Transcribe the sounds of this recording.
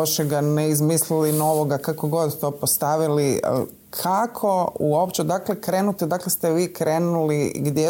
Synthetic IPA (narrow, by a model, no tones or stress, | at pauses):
aʃeɡaneizmislilino̞ʋo̞ɡakako̞ɡo̞d̪t̪o̞ːpost̪aʋiliə̰ | kʰakʰo̞uo̞pt͡ʃed̪akle̞kɾeːnut̪ed̪aklest̪ɛʋiːkɾeːnulḭɡd̪je